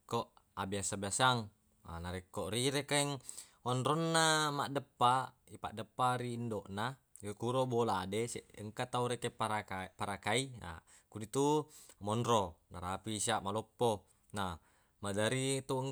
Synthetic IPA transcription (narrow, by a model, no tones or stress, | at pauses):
koʔ | abiasabiasaŋ | a̰naɾekːoʔɾiɾekaiŋ | onɾonːamaʔdəpːa | ipa̰ʔdəpːaɾiːndoʔna | jokuɾoboladeseʔəŋkat̪auɾekepaɾaapaɾakaia̰ | kudit̪umonɾonaɾapisiaʔmalopːo | na | madaɾit̪uŋ